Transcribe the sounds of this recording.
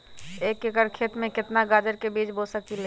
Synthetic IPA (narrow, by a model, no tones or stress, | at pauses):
eːkekəɾkʰeːt̪mẽkɪt̪naɡaːd͡ʒəɾkebiːt͡ʃbosəkile